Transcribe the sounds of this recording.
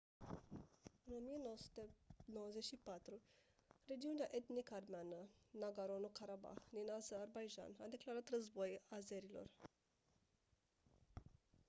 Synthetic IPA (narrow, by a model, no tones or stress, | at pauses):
ɨno̞mijenowəsu̥t̪enowəzeʃipat̪ɾu | re̞d͡ʒiuneaʔe̞t̪nikəarmeanənaɡaɾonokaɾaba̰xd̪inazəːrbajʒa̰nad̪e̞klaɾat̪rəzbo̞jazeɾilo̞̰r